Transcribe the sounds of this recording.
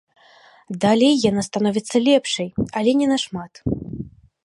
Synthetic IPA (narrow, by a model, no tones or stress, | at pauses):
d̪alʲɛjːanast̪anɔvʲit̪sːɐlʲɛpʂɐjɐlʲɛnʲɛnɐʂmat̪